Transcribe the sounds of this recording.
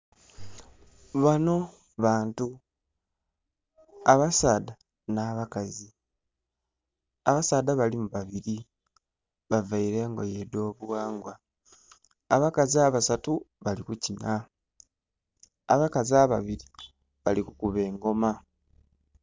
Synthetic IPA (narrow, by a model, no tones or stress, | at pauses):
βano̞ | βaːntu | aβasaːda | naːβakazi | aβasaːd̪aβalimuβaβiɾi | βavaiɾe̞ŋɡojedo̞ːβuwaːŋɡwa | βakaziaβasatuβalikucina | aβakaziaβaβiɾi | βalikukuβe̞ːŋɡo̞ma